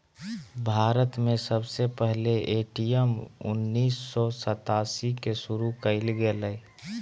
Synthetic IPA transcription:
bʱaːɾət̪mẽsəbsepɛɦleʔeːʈijəmʊ̰nːiːsːɔsət̪aːsikesʊɾukəɪlɡelə

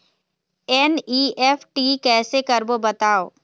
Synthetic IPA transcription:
ɛniːɛfʰʈiːkɛːsekɐɾbobɐt̪aːoː

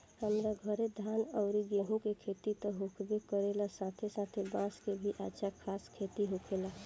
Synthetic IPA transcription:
həmɾaɡʱəɾed̪ʱaːnɔʊɾiɡeɦũkekʰeːt̪it̪ɔɦukʰbekəɾelasãt̪ʰesãt̪ʰebãːskebʱiʔa̰ːt͡ʃʰakʰaːskʰeːt̪iɦukʰela

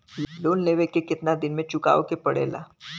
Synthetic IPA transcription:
loːnleːʋekekɪt̪nad̪ɪnmẽt͡ʃʊka̰ːo̰kepɐɽḛːla̰ː

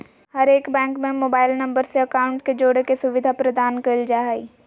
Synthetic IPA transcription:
hɐɾeːkbɛ̃ːŋkmẽmoːbaːɪlnɐ̃mbəɾseɐkaːʊ̃ɳʈked͡ʒoːɽekesʊʋɪd̪ʱapɾɐd̪aːnkɐɪld͡ʒaːɦaḭː

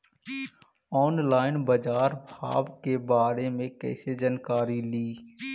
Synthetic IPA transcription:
ɔːnlaːɪnbəd͡ʒaːɾbʱa̰ːbkebaːɾemẽkɛ̰ːsed͡ʒənkaːɾiliː

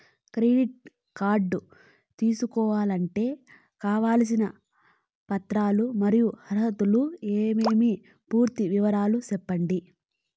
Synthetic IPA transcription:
kɾeːɖiʈ̚ | kaːɾɖːu | t̪iːsukɔːʋaːlɐɳʈe̞ː | kaːʋaːls̬inɐ | pɐt̪ɾaːlumɐɾijuhɐɾɦɐt̪ulueːmeːmi | puːɾt̪iʋiʋɐɾaːlusɛpːɐɳɖi

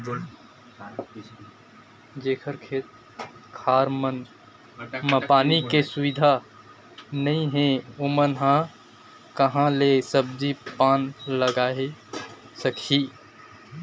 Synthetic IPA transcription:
d͡ʒeːkʰəɾkʰeːt̪̚ | kʰaːɾmən | məpaːnikesuʋɪd̪ʱa | nəĩɦẽomənɦã | kəɦãlesəb̚d̪ipaːnləɡaːe | səkʰi

